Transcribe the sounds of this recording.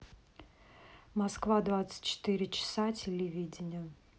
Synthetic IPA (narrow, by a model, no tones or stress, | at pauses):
mɐskvad̪vat̪sə̥tʲt͡ɕːɪ̥t̪ɨɾʲɪt͡ɕɪ̥satʲɪlʲɪvʲidʲɪnʲɪə